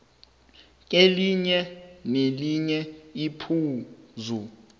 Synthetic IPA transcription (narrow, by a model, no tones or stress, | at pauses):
k̬ʼeliɲɛneliɲɛipʰuːzu